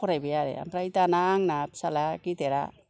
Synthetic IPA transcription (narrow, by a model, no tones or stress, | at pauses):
koɾajbejaɾḛa̰mpɾaitanaːŋnapsalakiteɾa̰